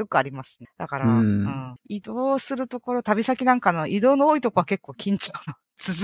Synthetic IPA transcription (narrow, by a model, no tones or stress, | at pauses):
jo̞kɯ̟aɾʲimasɨ̥nd̪̥akaɾaɯ̃ɴid̪o̞ːsɨɾɯ̟t̪o̞ko̞ɾo̞t̪abʲisakʲinãŋkano̞ʔid̪o̞ːnooːit̪o̞ko̞βake̞kːo̞ːkʲĩɲ̟t͡ɕoːno | t͡sɨz